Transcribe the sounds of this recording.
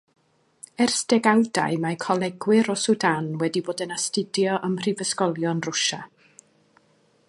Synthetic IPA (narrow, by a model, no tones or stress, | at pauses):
ɛrsd̥ɛɡawda̰jmakʰɔlˠɛɡwɪɾɔsʊdanwɛdiboːdənastɪdjɔʔəmr̥ivəskɔlˠjɔnrʊʃa̰